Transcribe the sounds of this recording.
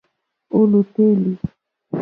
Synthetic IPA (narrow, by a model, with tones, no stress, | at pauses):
o˦lu˨te˦li˨